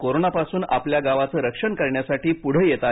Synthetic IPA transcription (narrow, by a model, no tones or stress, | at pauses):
koɾonapasuːna̰pljaɡaʋat͡səːɾəkʂəɳkəɾɳjasaʈiːpuɽ̤əjet̪a